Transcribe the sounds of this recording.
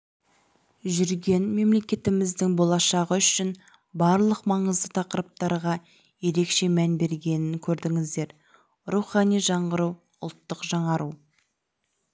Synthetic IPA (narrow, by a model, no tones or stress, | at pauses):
ʒʏɾɡʲe̞nme̞mle̞kʲe̞t̪ɪmɪzd̪ɪŋbolˠɑʃɑʁəʏʃɪn | bɑɾlˠəqmɑɴəzd̪ət̪ʰɑqəɾəp̚t̪ɑɾʁɑ | je̞ɾe̞kʃe̞mænbe̞ɾɡʲe̞nɪnkʲʰɵɾd̪ɪŋɪzd̪e̞ɾ | ruχɑnijʒɑɴʁəɾuw | ʊ̰lˠt̪ːəqʒɑɴɑɾʔu